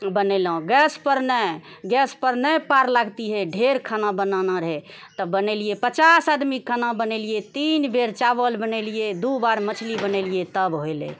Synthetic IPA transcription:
bənelɦũɡɛspəɾnə | ɡɛspəɾnəjpaɾlaɡt̪iɦɛɖʱeɾkʰənãbənanaɾəɦe | t̪əbənelijepət͡ʃasad̪mikʰənãbənelijet̪inbeɾt͡ʃabəlbənelijed̪ubaɾmət͡ʃʰlibənelijet̪əbɦoelḛ

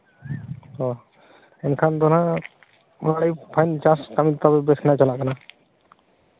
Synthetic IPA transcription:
ɔ | ɛnkʰand̪ɔna | ɔnaɽəjpʰajnt͡ʃaskamit̪abɛbɛskʰnaʔt͡ʃalaʔkana

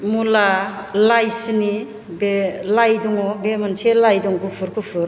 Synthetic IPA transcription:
mulalajsɯni | belajdɔŋɔbemanselajdɔŋɡupʰuɾkʰupʰɯɾ

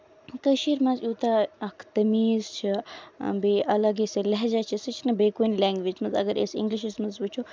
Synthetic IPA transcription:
kəʃiːɾmɐ̃nzjuːt̪aɐkʰt̪ɐmiːzt͡ʃʰḭbeʔɐlɐɡisɨlɐɦd͡ʒat͡ʃʰisɨt͡ʃʰinɐbeːkonlɛ̃ːŋɡʋid͡ʒmɐnzɐ̰ɡəɾḛsḭŋɡliʃistmɐnzbut͡ʃʰu

